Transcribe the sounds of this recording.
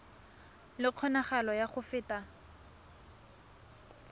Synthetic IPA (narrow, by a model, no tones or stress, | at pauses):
lɪq͡χʰɔnaχalɔjaχʊfɪːta